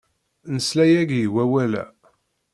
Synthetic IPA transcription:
nəslæjæɡjiwæwælæ̰

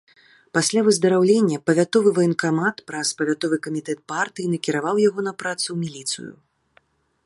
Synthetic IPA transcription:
pasʲlʲavɨzd̪ɐɾawlʲenʲːɐpɐvʲat̪ɔvɨvɐjinkamat̪pɾɐspɐvʲat̪ɔvɨkɐmʲit̪ɛt̪̚part̪ɨjinɐkʲiɾavawjaɣɔn̪ɐpɾat̪sɨwmʲilʲit̪sɨ̰jṵ

